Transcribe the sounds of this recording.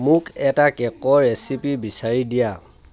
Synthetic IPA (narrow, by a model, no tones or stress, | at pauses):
mʊkɛtakɛkɔɹesipibisaɹidija